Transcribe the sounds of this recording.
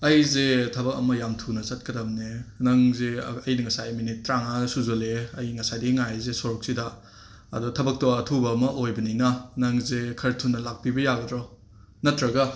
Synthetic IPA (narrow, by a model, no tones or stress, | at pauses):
ɐjzetʰɐbɐkɐ̰mɐjamtʰunɐsat̚kʰɐdabnenɐŋzeɐjnɐŋɐsajminitːɾaŋasuzoleɐjŋɐsajdiɡiŋajzesɔɾɔk̚sida̰ː | dɔtʰɐbɐk̚tɔɐtʰubɐːmɐʔojbɐninɐnɐŋzekʰɐɾtʰunːɐlak̚pibɐjaɡɐdɾɔ | nɐtɾɐɡɐ